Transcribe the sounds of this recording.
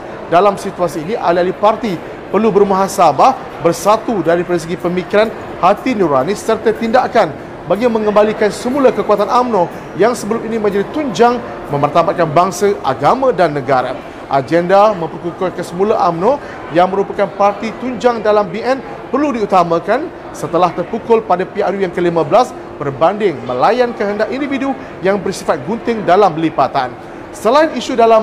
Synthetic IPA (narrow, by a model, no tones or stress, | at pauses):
dalamsit̪uasiːniʔalialipart̪i | pərlubəɾumaɦasabah | bərsat̪udaɾipadas̬əɡipəmikiɾan | hat̪inuɾanisːərt̪at̪indakan | baɡimə̃ŋə̃mbalikansəmulakəkuat̪anamno | jaŋsəbəlʊminimə̃ɲd͡ʒadit̪uɲd͡ʒaŋ | mə̃mpərt̪abat̪̚kanbaŋsaʔa̰ɡamãdanːəɡaɾa̰ | ʔa̰d͡ʒɛndamə̃mpərkukokəsəmulaʔamnõ | jaŋmə̃ɾupakanpart̪it̪uɲd͡ʒaŋdalambiɛn | pərludiut̪amãkan | sət̪əlaht̪ərpukʊlpadapiarjujaŋkəlimãbəlas | b̥ərbandɪŋmə̃lajankəɦəndaʔindividu | jaŋbərsifat̪̚ɡunt̪ɪŋdalamlipat̪an | səlainiʃudalam